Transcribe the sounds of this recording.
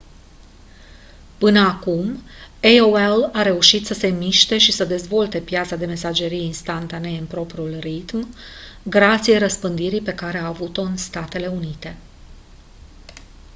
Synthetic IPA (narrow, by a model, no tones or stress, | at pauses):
pɨnəakumejoelaɾe̞uʃit̪səse̞miʃt̪e̞ʃisəd̪e̞zvo̞lt̪e̞pjat̪sad̪e̞me̞sad͡ʒe̞ɾijinst̪ant̪ane̞ɨnpɾo̞pɾiulrit̪mɡɾat̪sijeɾəspɨnd̪iɾipe̞kaɾe̞aːvut̪o̞ɨnst̪at̪e̞le̞unit̪e̞